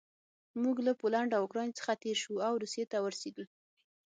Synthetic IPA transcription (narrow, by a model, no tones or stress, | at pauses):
muɡlapolaɳɖawkɾɑnt͡sə̥xat̪eɾʃuawɾuset̪awəɾsed̪əl